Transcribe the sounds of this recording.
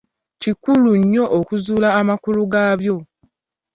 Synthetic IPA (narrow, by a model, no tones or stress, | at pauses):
cikuluɲːo̞ʔokuzuːlaːmakuluɡaβjo̞